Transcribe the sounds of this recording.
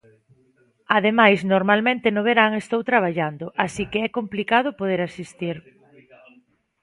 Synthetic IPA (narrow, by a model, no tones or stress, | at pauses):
aðemajsnoɾmalmẽnt̪ɪnoβeɾaŋest̪owt̪ɾaβ̞aʎand̪ʊʔasikeɛkomplikað̞ʊpoð̞eɾasist̪iɾ